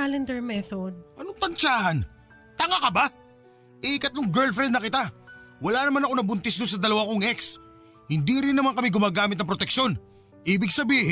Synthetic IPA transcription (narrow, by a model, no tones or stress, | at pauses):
alɛnd̪ɛɹmɛθod̪̚ʔɐnoŋt̪ɐnt͡ʃaːhɐn | t̪ɐŋakɐba | ʔɛkɐt̪loŋɡɛlfɾɛnd̪nɐkɪt̪awɐlanɐmanɐko̞nɐbʊnt̪ɛsd̪ons̬ɐd̪ɐlɐwakoŋʔɛks | hɪnd̪iɾɪnːɐmankɐmɪɡʊmaːɡaːmɪt̪ːɐŋp̬ɾot̪ɛkʃo̞n | ʔiːbɪɡ̚sɐbiːhɪ